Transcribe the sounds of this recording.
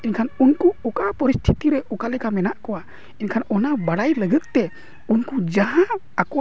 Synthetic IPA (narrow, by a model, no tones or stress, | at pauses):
inkʰanunkuɔkapəɾist̪ʰit̪iɾɛʔɔkalɛkamɛnaʔkɔwa | inkʰanɔnabaɽajləɡət̪̚t̪ɛ | unkud͡ʒaɦã | akɔ